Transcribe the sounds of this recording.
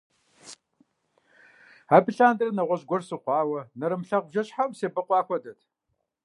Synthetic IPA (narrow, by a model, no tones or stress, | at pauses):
aːbɨɬaːndɨrnɐʁʷɔʑɡʷɔrsɨqʷɑːwɐnɐɾɨmɬɐq̚bʒɐɕħamseːbɨqʷɑːxʷɔdɐtʰ